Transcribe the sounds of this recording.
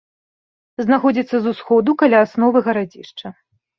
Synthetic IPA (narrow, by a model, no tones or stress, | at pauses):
znaxɔd͡zʲit̪sːɐzusxɔd̪ukalʲaːsnɔvɨɣɐɾad͡zʲḭʂt͡ʂɐ